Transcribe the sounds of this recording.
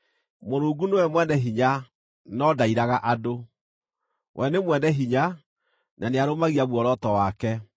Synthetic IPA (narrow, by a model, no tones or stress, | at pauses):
moɾoːɡunewɛmwɛnɛɦiɲa | nɔdaiɾaɣaʔado | wʔɛnemwɛnɛɦiɲa | nʔaneaɾomaɣiaβwɔɾɔtɔwakɛ